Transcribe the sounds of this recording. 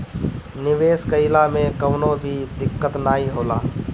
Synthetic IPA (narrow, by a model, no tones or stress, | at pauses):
nɪʋeːskəɪlamẽkəʋnobʱid̪ɪkːət̪naːiɦoːla̰ː